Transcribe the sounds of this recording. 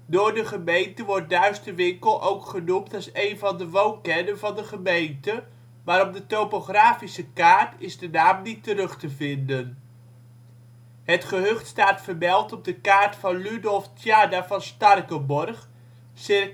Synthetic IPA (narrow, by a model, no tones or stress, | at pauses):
dʊːɹdəχəmejntəʋɔɹt̚dœɥstəʋɪŋkəlˠʔowkχənumtɑlˠsejnvɑndəʋownkɛdənvɑndəχəmejntə | maːɾɔb̚dətowpoχraːfisəkaːɹtɪzdənaːmnitəɾɵχtəvɪndən | ɦətχəɦøχtstaːtfəɹmɛlˠtɔb̚dəkaːɹtfɑnlydɔlˠftjaːdavɑnstɑrkəbɔrχ | sɪ